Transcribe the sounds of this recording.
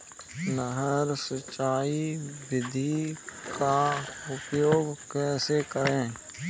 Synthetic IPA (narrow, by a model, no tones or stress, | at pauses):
nəɦəɾsət͡ʃaːiʋɪd̪ʱikaʊpjoːɡkɛːsekəɾẽː